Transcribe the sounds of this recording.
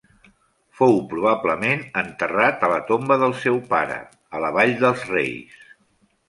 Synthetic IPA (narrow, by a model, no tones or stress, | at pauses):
fowpɾuβ̞abləmenənt̪ərat̪ələt̪ombəðəlˠsɛwpa̰ɾə̰ | ələβ̞aʎd̪əlˠzrḛjs